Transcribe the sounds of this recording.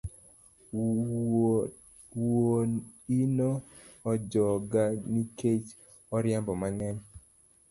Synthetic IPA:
woinoː | d͡ʒɔɡaniket͡ʃ | ɔɾjambɔmaŋɛɲ

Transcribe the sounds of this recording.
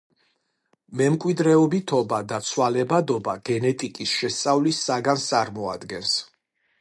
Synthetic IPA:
mɛmkʼwid̪ɾɛɔbit̪ʰɔbad̪at̪sʰwalɛbad̪ɔbaɡ̥ɛnɛt̪ʼikʼisʃɛst̪sʼavlisːaɡanst̪sʼaɾmɔad̪ɡɛns

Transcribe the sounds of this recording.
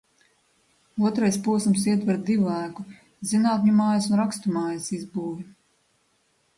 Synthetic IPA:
uɔt̪ɾajspuɔsumsiɛt̪vɛɾd̪ivlˠaːku | zinaːt̪ʲɲumaːjasunɾakst̪umaːjɐsizbuːvʲi

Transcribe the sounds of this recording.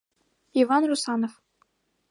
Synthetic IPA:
ivɑnrusɑnof

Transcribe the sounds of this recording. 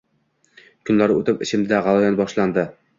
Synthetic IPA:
kʰɵ̆nlæɾʉ̰t̪ɘpɘ̆ɕɘ̆md̪æʁɑlˠajanbɒʃlˠɑnd̪ɘ

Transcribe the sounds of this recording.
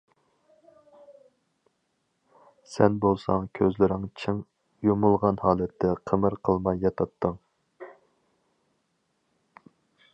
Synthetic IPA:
sɛnbolˠsɑŋkʲʰøzlɪɾɪŋt͡ʃʰɪŋ | jumulˠʁɑnhɑːlˠɛt̪ʰːɛqʰəmɨɾqʰəlˠmɑjːɑt̪ʰɑpt̪ʰːɨŋ

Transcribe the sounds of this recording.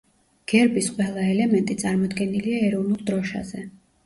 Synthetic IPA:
ɡ̥ɛɾbisqʼwɛlˠaɛlɛmɛnt̪ʼit̪sʼaɾmɔd̪ɡɛniliaɛɾɔvnulˠd̪ɾɔʃa̰zɛ

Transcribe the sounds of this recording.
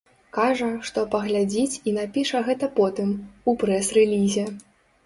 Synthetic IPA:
kaʐɐʂt̪ɔpɐɣlʲad͡zʲit͡sʲinapʲiʂɐɣɛt̪ɐpɔt̪ɨmupɾɛsrɛlʲizʲɛ

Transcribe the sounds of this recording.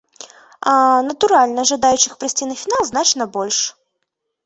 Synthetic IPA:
anət̪ʊɾalʲnəɐʐɨd̪ajʉɕːɪxpɾɐsʲtʲinəfʲɪnalˠznat͡ɕnɐbolʲʂ

